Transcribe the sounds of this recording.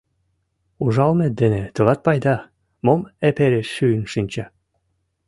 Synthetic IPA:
uʒɑlnet̪̚d̪enet̪ɤlɑt̪̚pɑjd̪ɑ | momepeɾeʃːyənʃinʲt͡ɕɑ

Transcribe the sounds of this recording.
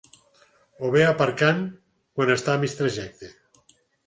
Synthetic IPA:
oβeapaɾkaŋ | kwanest̪amist̪ɾaʒɛk̚t̪e

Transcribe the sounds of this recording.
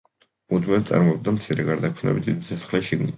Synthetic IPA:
ud̪mɛt̪sʼa̰ɾmɔɛb̚d̪amt̪sʰiɾɛɡaɾd̪akʰnɛ̰bid̪id̪isɛsχlɛʃiɡni

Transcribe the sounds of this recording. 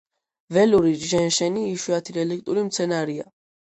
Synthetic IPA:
vɛluɾiʒɛnʃɛniːʃuat̪ʰiɾɛlik̚ʼt̪ʼuɾimt̪sʰɛnaɾia̰

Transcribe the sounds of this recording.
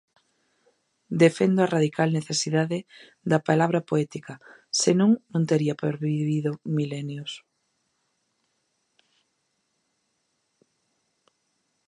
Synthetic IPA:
d̪efend̪oaraðikalneθesiðaðe | ðɐpalaβɾɐpoɛt̪ikɐsenõŋnõnt̪eɾiɐpoɾβiβiðomilɛnjos

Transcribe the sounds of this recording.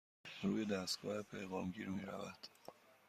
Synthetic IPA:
ɾuːje̞d̪æst̪ɡ̥ɒːhepʰe̞jɣɒːmɟiːɾmiːɾævæd̪̥

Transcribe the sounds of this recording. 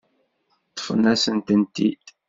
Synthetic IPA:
t̪ˤːə̥fənæsənt̪ənt̪id̪̥

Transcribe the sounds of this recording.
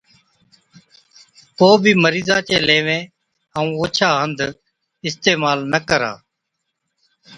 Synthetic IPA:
koːbʱiːməɾiːzaːt͡ʃeːleːʋẽː | ɦaːũːoːt͡ʃʰaːɦənd̪ | ɪst̪eːmaːlnəkəɾa̰ː

